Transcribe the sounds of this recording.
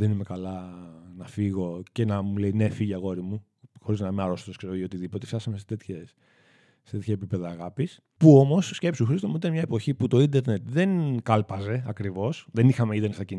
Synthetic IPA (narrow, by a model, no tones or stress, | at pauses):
ðenime̞kɐlɐnɐfiɣo̞ce̞nɐmuleine̞fiʝɐɣo̞ɾimu | xo̞ɾiznɐimeɐɾo̞st̪oskse̞ɾoiot̪iðipo̞t̪eft̪ɐsɐmeset̪et̪çes | set̪et̪çɐepipe̞ðɐːɣɐpis | puo̞mo̞sːce̞psuxɾist̪omuit̪ɐnmɲɐepo̞çiput̪o̞ind̪e̞ɾne̞t̪ðe̞nkɐlpɐze̞ɐkɾivo̞sðe̞nixɐmeind̪eɾnesɐcin